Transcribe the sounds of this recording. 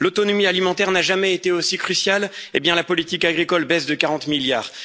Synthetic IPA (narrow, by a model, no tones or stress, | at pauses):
lot̪ɔnɔmialimɑ̃t̪ɛʁnaʒamɛet̪eosikχysjalebjɛ̃lapɔlit̪ikaɡʁikɔlbɛzd̪əkaʁɑ̃t̪miljaːʁ